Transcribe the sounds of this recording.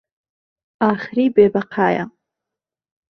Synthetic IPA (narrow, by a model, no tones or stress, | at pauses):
aːχɾibeːbaqʰaːja̰